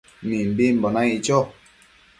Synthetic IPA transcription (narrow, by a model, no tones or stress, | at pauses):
mimbim̩bɔnait͡ʃɔ